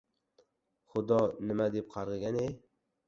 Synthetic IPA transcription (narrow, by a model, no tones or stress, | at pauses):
χʊd̪ɒnɪmad̪ep̚qʰɑɾʁɨɡʲanej